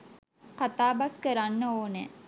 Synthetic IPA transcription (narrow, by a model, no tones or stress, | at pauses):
qat̪aːbaskəɾanːəoːne